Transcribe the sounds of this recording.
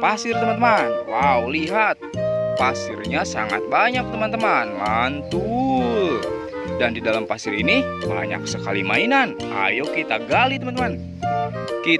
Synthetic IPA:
pasɪrt̪əmant̪əmanwawliɦat̪̚pasɪrɲasa̰ŋa̰t̪̚baɲak̚t̪əmant̪əmanmant̪u | dandidalampasɪɾiniba̰ɲa̰k̚səkalima̰inan | a̰jakit̪aɡalit̪əmant̪əman | ki

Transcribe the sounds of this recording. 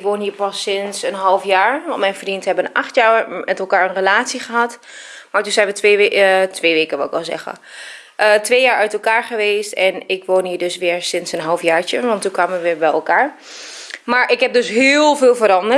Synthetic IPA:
kʋoːnɦiːɹpɑsɪnsənɦɑlˠfjaːɹmɛjnfrintɦɛbənʔaχtjaːmɛtɛlˠkaːɹənrəlaːtsiχəɦat | maɹtunzɛjnʋətʋetʰʋeːʋeːkəʋɑlˠɪkʋɛlˠzɛ̰χə̰ | ətʋeːjaːɹœɥtɛlˠkaːɹχəʋeːstɛnɪkʋoːnɦiːɹdøsʋɪːɹsɪnsənɦɑlˠfjaːɹt͡ʃəʋɑntːukʋaːməʋəʋɪːɹbɛjɛ̰lˠkaːɹ | maːɹʔɪkɦɛp̚døsɦɪːlˠvɪːlˠvəɾɑndə

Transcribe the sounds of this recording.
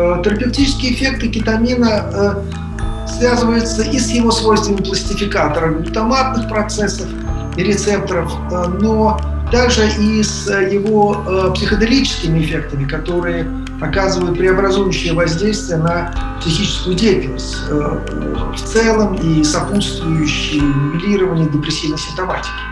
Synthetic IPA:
t̪əɾəpʲɪftʲit͡ɕɪskʲɪəːfʲe̞k̚t̪ɨkʲɪt̪ɐmʲinəə | svʲazɨvəjʊt̪səʔisjɪvo̞svojst̪vʲənʲmplˠəsʲtʲɪfʲɪkat̪əɾəfʲɪlt̪ɐmat̪̚nɨxpɾɐt̪sɛsːəf | iɾʲɪt̪sɛp̚t̪əɾəf | no | d̪̥aʐɨʔisjɪvopsʲɪxəd̪ɪlʲit͡ɕɪ̥skʲɪmʲɪɪfʲe̞k̚t̪əmʲɪkɐt̪o̞ɾɨjə | ɐkazɨvəjʊt̪̚pɾʲɪɐbɾɐzujʉɕːɪjəvɐzʲdʲejst̪vʲɪjənəpsʲɪxʲit͡ɕɪ̥skʊjʊdʲefʲɪnsʲ | ə | ft̪sɛlˠəmisɐput̪st̪vʊjʉɕːɪjmʊbʲɪlʲiɾəvənʲɪjədʲɪpɾʲɪsʲːivnəsʲɪft̪ɐmatʲɪ̥kʲɪ̥

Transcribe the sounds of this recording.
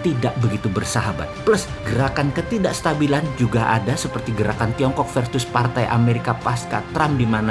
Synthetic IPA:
t̪idaʔ̚bəɡit̪ubərsaɦaba̰t̪̚plʊs | ɡəɾakankət̪idaʔst̪abiland͡ʒuɡaʔa̰dasəpərt̪iɡəɾakant̪iɔŋkɔk̚fɛrsʊspart̪ajʔa̰meɾikapaska̰t̪ɾamdimana

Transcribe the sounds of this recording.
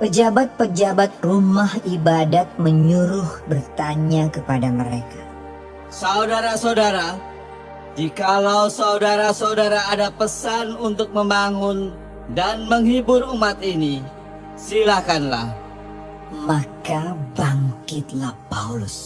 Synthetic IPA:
pəd͡ʒabat̪̚pəd͡ʒabat̪̚rumahibadat̪̚məɲuɾʊhbərt̪aɲakəpadaməɾeka | saudaɾasaudaɾa | d͡ʒikalausaudaɾasaudaɾaːdapəsanunt̪ʊk̚məmbaŋʊn | danməŋɦibʊrumat̪ini | silakanla̰h | makabaŋkɪt̪̚lahpaulʊ̰s

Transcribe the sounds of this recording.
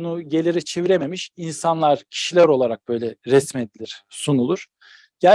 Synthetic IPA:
unuɟe̞lʲiɾit͡ʃʰeviɾememiʃinsanlˠaɾ̥cʰi̥ʃilʲæɾo̞lˠaɾak̚b̥ø̞jlʲɛɾɛsme̞d̪ilʲiɾ̥sunulˠuɾ̥ | ɟ̥æ

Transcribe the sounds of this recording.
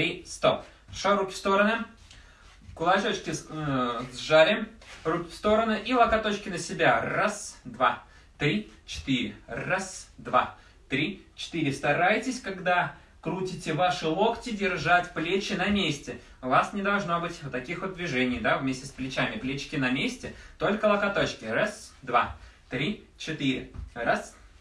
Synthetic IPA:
t̪ɾʲist̪op | ʂoɾukʲɪ̥fst̪o̞ɾənɨ | kʊlˠɐt͡ɕot͡ɕkʲɪ | zʐaɾʲɪrukʲɪ̥fst̪o̞ɾənɨʔilˠɐkɐt̪o̞t͡ɕkʲɪnəsʲɪbʲarasd̪va | t̪ɾʲit͡ɕɪ̥t̪iɾʲɪrasd̪va | t̪ɾʲit͡ɕɪ̥t̪ɨɾʲɪst̪ɐɾajtʲɪsʲkaɡd̪a | kɾutʲɪtʲɪvaʂɨlˠo̞ktʲɪdʲɪrʐatʲplʲet͡ɕɪnɐmʲesʲtʲɪ | ʊvasnʲɪd̪ɐlˠʐno̞bɨtʲt̪ɐkʲixʊd̪d̪vʲɪʐɛnʲɪjd̪avmʲesʲtʲɪsplʲɪt͡ɕæmʲɪplʲet͡ɕɪ̥kʲɪnɐmʲesʲtʲɪt̪o̞lʲkəlˠɐkɐt̪o̞t͡ɕkʲɪrasd̪va̰ | t̪ɾʲi | t͡ɕɪt̪iɾʲɪ̰ras

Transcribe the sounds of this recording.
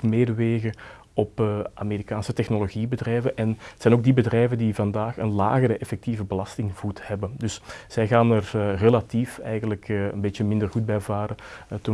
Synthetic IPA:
meːdəʋeːɣə | ɔpaːmeːɾikaːnsətɛxnoloɣibədrɛjvənʔɛnsɛːnoːɡ̚dibədrɛjvəndivɑndaːxənla̰ːɣəɾəʔɛfɛk̚tivəbəlɑstɪŋv̥uthɛbəndɵsz̥ɛjɣaːnərrelatifɛ̰jɣəndələkə̰nbeːtjəmɪndərɣud̚bɛjvaːɾətə

